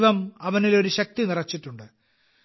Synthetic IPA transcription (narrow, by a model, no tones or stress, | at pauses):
ʋɐmɐʋɐnilo̞ɾuɕɐk̚t̪inirɐt͡ɕːiʈːuɳɖɨ